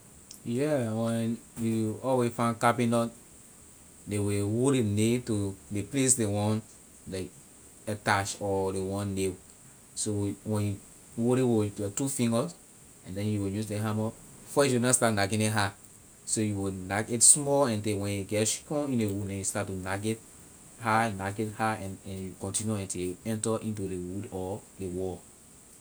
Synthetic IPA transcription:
jɛwɛ̃njuɔwefãnkabinɔt | dewewoɾenetodeples̬dewɔ̃n | la | ɛtaʃɔdewɔ̃nːe | sowɛ̃nju | woɾewoɔtufĩŋɡɔs | ɛ̃ndɛ̃njuwijusdeɦãmɔ | fɔsjunãstatnaɡenĩɦa | sojuwinaɡetsmɔɛ̃ntewɛ̃njuɡɛtʃi̥kɔ̃ĩnewudɛ̃njustatːunaɡet | hanaɡethaɛ̃nɛ̃njukɔ̃ntĩnjuɛ̃nteɛ̃ntɔʔĩntudewudɔdewɔ

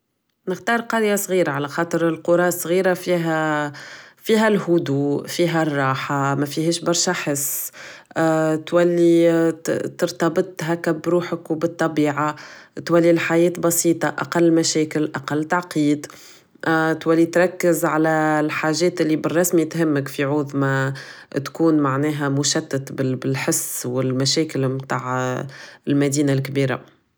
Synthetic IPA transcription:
nɪxt̪ɑːɾˤqɑɾjasˤɣiːɾaʕalæxɑːt̪ˤəɾɪlqʊɾˤɑːsˤɣiːɾafiɦæ | fiːɦælhʊd̪uːfiːɦærˤːɑːħamæfiɦɛːʃbɑɾˤʃaħɪsː | t̪wælːi | t̪əɾt̪ɑbɨt̪ˤɦækæbɾuːħəkwbɨt̪ˤːɑbiːʕat̪wælːilħajɛːt̪bɑsiːt̪ˤɑʔɑ̰qɑlːmæʃɛːkɪlʔaqɑlːt̪aʕqiːd̪ | t̪wælːit̪ɾˤɑkːɪzʕalælħaːʒɛːt̪ʔɪlːibərˤːɑsmit̪ɦɪmːəkfiʕʊðmæ | t̪kuːnmaʕnɛːɦæmʊʃæt̪ːat̪bɪbɪlħɪsːwɪlmæʃɛːkɪlmt̪aːʕ | ɪlmæd̪iːnalkbiːɾa̰

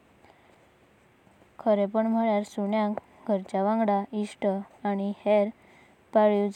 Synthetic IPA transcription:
kʰəɾepəɳm̤əɭjaɾsuɳjãk | ɡʱəɾt͡ɕaʋãŋɡɽaʔiʂʈəaɽ̃iheɾ | paɭjud͡z

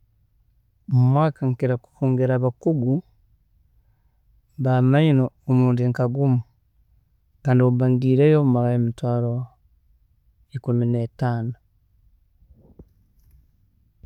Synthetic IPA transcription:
mumwaːkaŋkiɾaku̥huːŋɡeɾaβakuɡu | βamainoomuːndiŋkaɡumu | kaːndioβaŋɡiːɾejoumaɾaemitwaːɾo | ekuminetaːno

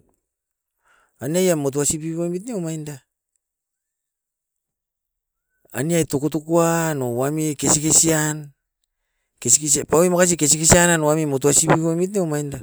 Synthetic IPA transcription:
aniajamot̬uasipiβojmit̬neomajnda | a̰niajtokutukuano̞wamike̞sikesian | kesikespawimokas̬ikes̬ikesiananowamimot̬uasipiβomit̬neomajnda

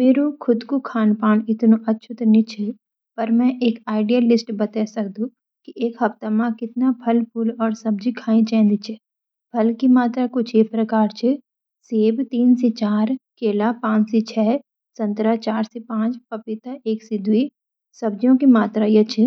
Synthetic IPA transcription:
meːɾokʰʊd̪kokʰaːnpaːnɪt̪noʔɐtːʃʰʊt̪nĩt͡ʃʰɛ | pɐɾmɛ̃ʔeːkaːɪɖijəlːɪsʈbɐt̪ɛsɐkd̪ũ | kiʔeːkɦɐpt̪amãkɪt̪napʰɐlpʰʊlɔːɾsɐb̚d͡ʒikʰãːĩt͡ʃɛ̃ːnd̪it͡ʃʰɛ | pʰɐlkimaːt̪ɾakot͡ʃʰepɾɐkaːɾt͡ʃʰe | seːbt̪iːnset͡ʃaːɾkeːlapãːt͡ʃset͡ʃʰɛː | sɐ̃nt̪ɾat͡ʃaːɾsepãːt͡ʃpɐpɪt̪aʔeːksɪd̪ui | sɐb̚d͡ʒjõkimaːt̪ɾajet͡ʃʰɛ

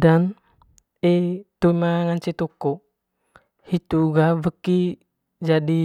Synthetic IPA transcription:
dan | et̪umaaŋant͡ʃet̪uko | hit̪uɡavəki | d͡ʒadi

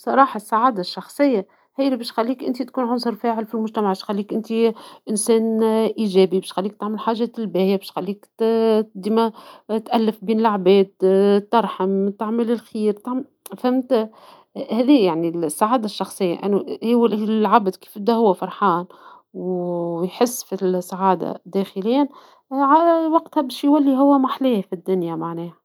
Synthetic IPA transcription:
sˤɑɾˤɑːħɑsˤːaʕaːd̪aʃːɑxsˤɨjːa | hæːjlbɛːʃxælːiːkʔɪ̰nt̪it̪kuːnʕʊns̬ˤɑɾˤfæːʕɪlfilmʊʒt̪æmaʕbæːʃxalːiːkʔɪnt̪iʔɪnsæːnʔiːʒæːbibɛːʃxalːiːkt̪aʕmɪlħaːʒæɪlbæːjabɛːʃxalːiːk̪ | d̪imæt̪ʔælːɪfbiːnɪlaʕbɛːd̪t̪ːɑɾˤħamt̪aʕməlɪlxiːɾt̪aʕm | fæmt̪ | hæːðiːjaʕnisːaʕaːd̪aʃːɑxsˤɨjːa̰ʔæ̰nːuhwælʕabd̪ki̥ːfɪd̪æhʊwːæfɑɾˤħaːn | wjħɪsːfisːaʕaːd̪a̰d̪ːæxəlɪjːæn | ʕawɑqt̪hɛbɛːʃjwælːiɦʊwːæmaħliːhfid̪ːʊnjamaʕnɛːhæ

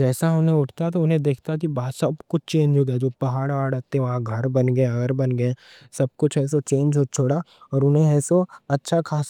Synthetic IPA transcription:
d͡ʒɛːsaɦɐmnẽʊʈʰt̪at̪oʊnɦẽd̪eːkʰt̪ak̬ibasɐbkʊt͡ʃʰt͡ʃeːɲd͡ʒɦoːɡad͡ʒoːpɐɦaːɽʋaːɽət̪ẽʋɐɦãɡʱɐɾbɐnɡəẽɐɡəɾbɐnɡɐɛ̃ | sɐb̚kʊt͡ʃʰɛːs̬ot͡ʃeːnd͡ʒɦot͡ʃʰoːɽa | ɔːɾʊnɦẽɛːsoɐtːʃʰakʰaːs

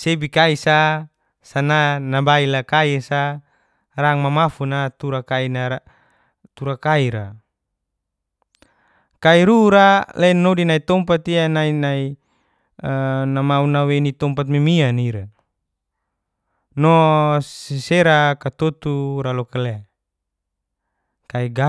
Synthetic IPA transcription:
sebikaisa | sananabailakaisa | raŋmamafunat̪uɾakainaa | t̪uɾakaiɾa | kaiɾuɾalɛnodinait̪ɔmpat̪ianainai | namaunawenit̪ɔmpat̪̬̚mimianiɾa | nɔsisɛɾakat̪ɔt̪uɾalɔkɛlɛ | kaiɡa

